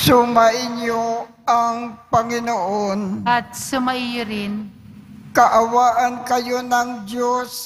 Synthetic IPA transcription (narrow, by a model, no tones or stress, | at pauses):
sʊmaʔɪɲjo | aŋpɐŋɪnoʔonʔɐt̪̚sʊmɐʔijʊɾɪn | kɐʔɐwaːʔɐnkɐjonɐŋdos